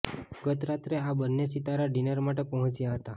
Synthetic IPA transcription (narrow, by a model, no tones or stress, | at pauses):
ɡət̪ɾat̪ɾeabənːesit̪aɾaɖinəɾmaʈepəɦt͡ʃjaɦət̪a